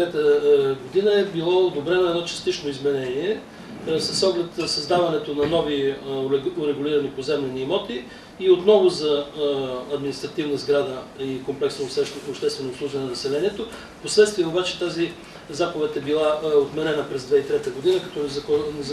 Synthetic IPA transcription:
ɛt̪əɡod̪inəɛbilˠɔd̪obɾɛnoɛd̪ɔt͡ʃɐ̥st̪it͡ʃnoizmɛnɛniɛ | sɐsːɔɡlɛt̪sɐzd̪avɐnɛt̪onɐnɔvi | ʊɾɛɡʊliɾɐnipozɛmlɛniːmɔt̪iː | ot̪nɔvʊzɐː | d̪minist̪ɾɐt̪ivnəzɡɾad̪əikomplɛksnoɛopʃt̪ɛst̪vɛnosˠuʒvʲɛnnɐnɐsɛlɛniɛt̪o | poslɛt̪st̪viɛobat͡ʃɛ̥t̪azi | zakovɛt̪ɛbilˠaot̪mɛɾɛnəpɾɛzd̪vɛit̪ɾɛt̪əɡod̪inəkɐ̥t̪ɔnɛznɛz

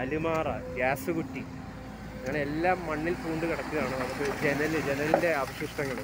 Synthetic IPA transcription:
ɐlimaːrɐ̰ɡaːsɨkuʈːi | ɐŋːɐɳeelːaːmːɐɳːilt̪uːɳɖɨkiɽɐkːuɣaːɳɨnɐmukːɨd͡ʑenɐld͡ʑe̞nɐlinde̞ɐbɐɕiʂʈɐŋːɐɭ

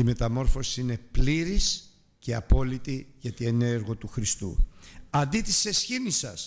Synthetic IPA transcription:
ime̞t̪ɐmo̞ɾfo̞siine̞pliɾis | ce̞ɐpo̞lit̪iʝɐt̪ieneeɾɣo̞t̪uxɾist̪ṵɐnd̪it̪ise̞sçinisɐs

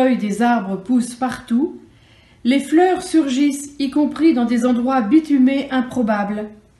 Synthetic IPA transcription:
œjd̪ezaʁbʁəpuspaʁt̪u | leflœʁsyʁʒisikɔ̃pχid̪ɑ̃d̪ezɑ̃d̪ʁwabit̪ymeʔɛ̃pχɔbabl

